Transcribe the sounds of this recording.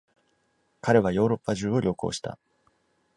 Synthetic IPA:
kaɾe̞β̞ajo̞ːɾo̞pːaʑɨːo̞ɾʲo̞ko̞̰ːɕi̥t̪ʰa̰

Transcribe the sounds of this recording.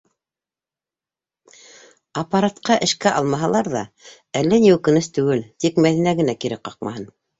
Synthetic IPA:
ɑpːɑɾat̪qɑʔɘ̆ʃkæʔɑlˠmɑɦɑlˠɑɾðɑ̰ | ælːæniʉkɘ̆nɘst̪ʉɡɘlt̪ikmæðinæɣɘ̆nækiɾɘqɑq̚mɑ̰hɤn

